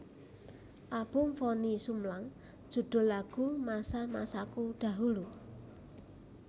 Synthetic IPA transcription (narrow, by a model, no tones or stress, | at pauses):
ʔab̥ʊ̤ŋfɔnisumlaŋ | d̥ʒ̥ṳɖ̪̥o̤laɡ̥ṳmasamasakuɖ̪̥ä̤ɦulu